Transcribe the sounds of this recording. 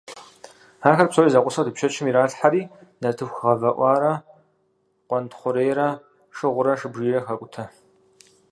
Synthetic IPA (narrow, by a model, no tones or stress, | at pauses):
aːxɐrpsowizɐqʷʊsɐwdɨpʃɐt͡ʃʰɪmiɾaːɬħaɾiːdɐtʰɨxʁɐvɐʔʷɑːɾɐ | qʷɔntχʷʊɾeːjɾɐ | ʂɨʁʷʊɾɐʂɨbʒiːrɐxɐkʷʼʊtʰɐ